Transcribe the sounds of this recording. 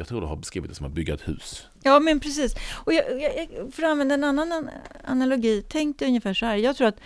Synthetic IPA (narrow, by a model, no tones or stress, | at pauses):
ɑɡt̪ʰɾuːd̪ɛhaɾbɛskɾiːɪt̪̚ɛsɔmha̰t̪̚bʏɡːaɛt̪hʉ̟̰ːs | jɑːmɛnpʰɾɛsiːsɔjɑjɑjɑfœːɾɔanvɛnd̪aɛnanːana̰nalʊɡiːt̪ʰɛŋk̚d̪ɛɵnjəfæːʂɔhæːɾjɑːɡt̪ʰɾuːɾat̪